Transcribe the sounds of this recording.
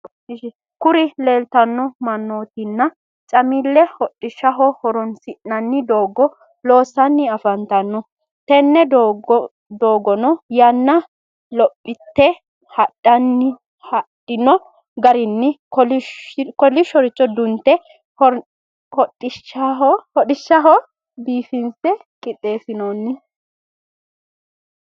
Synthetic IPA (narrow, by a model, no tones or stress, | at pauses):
ʃ | kʊɾɪleːlt̪ɐnːɔmɐnːoːt̪ɪnːɐ | t͡ʃʼɐmilːɛhɔtʼːɪʃːɐɦɔhɔɾɔnsɪʔɐnːɪd̪oːɡɔ | lo̞ːsɐnːɪɐfɐnt̪ɐnːɔ | t̪ɛnːɛd̪ | d̪oːɡɔnɔjɐnːɐ | lɔpʼːɪt̪ːɛ | hɐɗːɐnːɪ | hɐɗɪnɔ | ɡɐɾɪnːɪkɔlkɔlɪʃɔɾɪt͡ʃʼːɔd̪ʊnt̪ːɛ | ɔ | hɔtːɪʃhɔᶑɪʃːɐɦɔ | biːfɪnsɛkʼɪt̪ʼːe̞ːsɪnonːɪ